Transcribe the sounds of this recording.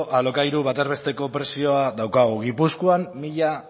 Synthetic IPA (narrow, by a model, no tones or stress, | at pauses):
ʔalo̞kajɾuβat̪eɾβe̞st̪e̞ko̞pɾe̞sio̞aðawkaɣ̞uɣ̞ipuskuamːiʎa